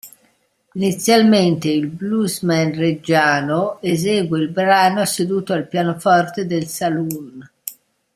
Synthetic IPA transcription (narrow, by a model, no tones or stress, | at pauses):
init̪sːjalment̪eilbluzmɛnred͡ʒaːnoezɛːɡweilbɾaːnosed̪uːt̪oalpjaːnofɔrt̪ed̪elsalun